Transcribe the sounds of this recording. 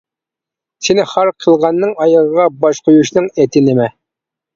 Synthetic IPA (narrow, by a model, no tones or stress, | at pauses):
sinɪχɑɾqʰəlˠʁɑnːɨŋɑjɑʁəʁɑbɑʃqʰojuʃnɨŋɛt̪ʰɪnɪmɛ